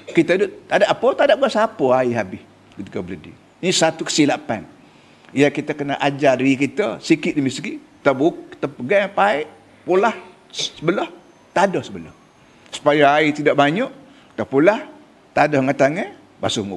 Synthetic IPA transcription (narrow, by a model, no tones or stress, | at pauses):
kit̪ədʊt̪t̪adaʔapət̪adaʔ̚ɡasapəaiɦabɪh | kət̪ikəbələdḭ | nisat̪ukə̥silapa̰n | ijakit̪əkənə̰ʔad͡ʒaɾikit̪əsikɪʔ̪̚dəmiski | t̪əbut̪əpəɡapaɪʔ | pulah | səbəlɔh | t̪adɔhsəbəlɔ̰h | su̥pajaait̪idaʔbaɲɔʔ | t̪əpulah | t̪adɔhŋat̪aŋə | ba̰suŋṵ